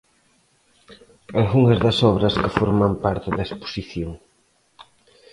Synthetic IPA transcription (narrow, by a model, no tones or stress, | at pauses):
alɣuŋɐzðɐsɔβɾɐskɪfɔɾmɐmpaɾt̪ɪðɐespo̥siθjoŋ